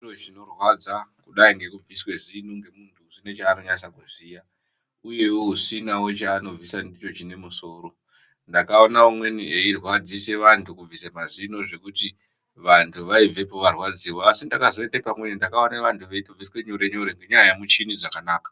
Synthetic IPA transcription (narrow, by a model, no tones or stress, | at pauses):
irot͡ʃino̞rwad͡zakuɗaiŋɡe̞kub͡viswe̞zinuŋɡemuntʰuusinet͡ʃaːnoɲat͡ʃakusiːja | uje̞woɦusinawo̞t͡ʃaːno̞visandit͡ʃo̞t͡ʃine̞muso̞ːɾo̞ | ndakao̞naumwe̞niʔeirwad͡zise̞ʋantʰukub͡visamazino̞ʐe̞kuti | ʋantʰuʋaive̞poʋarwad͡ziwoasindakazoetepamwe̞nindakaoneʋantʰuʋeituvʱiswe̞ɲoɾe̞ɲoɾeŋɡe̞ɲajamut͡ʃinid͡zakanaːkḁ